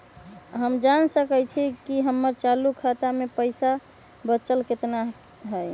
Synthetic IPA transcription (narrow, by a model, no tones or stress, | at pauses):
ɦəmd͡ʒansəkət͡ʃʰikiɦəmːəɾt͡ʃalukʰat̪amepəɪsa | bət͡ʃəlket̪na | ɦəj